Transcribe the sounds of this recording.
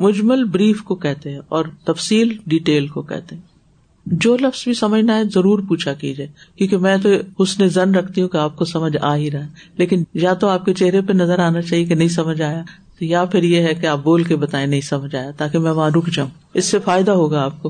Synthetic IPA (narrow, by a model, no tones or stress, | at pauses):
mʊd͡ʒməlbɾiːfkokɛɦt̪eɦɛ̃ɔːɾt̪ɐfsiːlɖiʈeːlkokɛ̰ɦt̪eɦɛ̃ | d͡ʒoːlɐfz̥bʱisɐməd͡ʒʱnaɦɛzɐɾuːɾpuːt͡ʃʰakḭːd͡ʒaːkjõːkemɛ̃ːt̪oʊsnezɐnɾɐkʰt̪iɦũkeaːp̚kosɐməd͡ʒʱa̰ːɦiɾɐɦeleːkɪnjat̪oaːp̚ket͡ʃeɦɾepenɐzəɾaːnat͡ʃaːɦiekenɐɦĩs̬ɐməd͡ʒʱaːja | t̪ojapʰɪɾjeɦɛkeaːp̚boːlkebɐt̪aːẽnɐɦĩsɐməd͡ʒʱaːjat̪aːkemɛ̃ːʋɐɦãɾʊkʰd͡ʒaːũ | ɪsːefaːɪd̪aɦoːɡaaːp̚koː